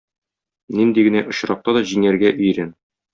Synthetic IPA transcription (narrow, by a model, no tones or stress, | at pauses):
nind̪iɡɘ̆næʔŏɕɾɑq̚t̪ɑd̪ɒʑiŋæɾɡæʔɵ̆jɾæn